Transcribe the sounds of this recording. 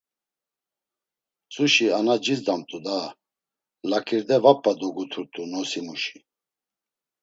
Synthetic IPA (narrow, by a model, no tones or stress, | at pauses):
t͡sʼuʃianad͡ʒizd̪amt̪ʼud̪a | lakʰiɾd̪ɛvapʰːad̪ɔɡut̪ʰuɾt̪ʼunɔsimuʃi̥